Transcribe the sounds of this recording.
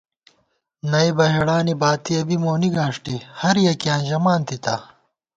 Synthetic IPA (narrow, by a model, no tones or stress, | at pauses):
nɐibɐɦiɽaːnibaːt̪iɐbimoːniɡaːʂʈihɐɾjɐkijãːnʑɐmaːnt̪it̪ɐ̰